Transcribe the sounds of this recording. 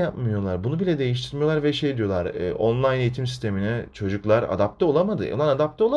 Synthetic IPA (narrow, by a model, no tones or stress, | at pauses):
apmɯjo̞lˠaɾbunubilʲɛd̪e̞jiʃ̬t̪ʰiɾmijoaɾvɛʃejd̪ijo̞lˠaɾ̰ʔonlˠajne̞jit̪ʰimsi̥st̪ʰeminɛt͡ʃʰo̞d͡ʒuklˠaɾa̰d̪ap̚t̪ʰɛo̞lˠamad̪ɯ̰nˠanad̪ap̚t̪ʰɛo̞lˠa